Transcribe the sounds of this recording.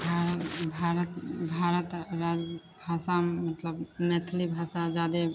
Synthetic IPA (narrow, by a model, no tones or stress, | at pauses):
bʱabʱaɾət̪bʱaɾət̪ɾad͡ʒ | bʱasamət̪ləbmet̪ʰlibʱasad͡ʒad̪e